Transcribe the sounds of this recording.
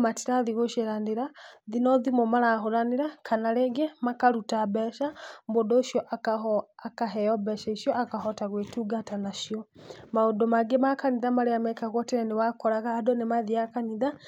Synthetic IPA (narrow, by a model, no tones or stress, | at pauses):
matiɾaðiɣoʃeɾandeɾaðinɔðimomaɾaɦoɾaneɾakʰanaɾeɡemakaɾutabɛʃambodoːʃjɔʔaakaɦɛjɔbɛʃaiʃjɔakaɦɔtaɣwetuɡatanaʃiɔmaodomaɡemakaniðamaɾeamɛkaɣɔteɾɛnewakɔɾaɣaːdɔnemaðiakaniða